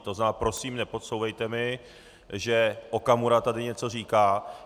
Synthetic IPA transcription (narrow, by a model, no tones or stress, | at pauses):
t̪oznaːpɾo̞siːmnɛpo̞t̪sowvɛjt̪ɛmɪ | ʒɛʔo̞kamuɾat̪adɪɲɛt͡so̞r̝iːkaː